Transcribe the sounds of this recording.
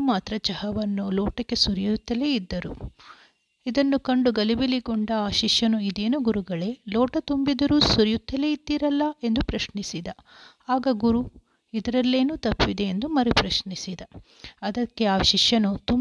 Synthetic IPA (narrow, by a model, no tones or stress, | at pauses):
maːt̪ɾɐt͡ʃɐhɐʋɐnːuloːʈɐkːe̞suɾjut̪ːɐleid̪ːɐɾṵ | id̪ɐnːukɐɳɖuɡɐlibiliɡɔɳɖɐaːʃiʃjɐnuid̪e̞ːnuɡuɾuɡɐɭe̞loːʈɐt̪umbid̪ɐɾuːsuɾjut̪ʰːɐleid̪ːiɾɐlːɐe̞nd̪upɾɐʃnisid̪ɐ | aːɡɐɡuɾu | id̪ɐɾɐlːe̞ːnuːt̪ɐpːid̪e̞ːnd̪umɐɾipɾɐʃɳisid̪ɐ | ɐd̪ɐkːe̞aːʃiʃjɐnut̪um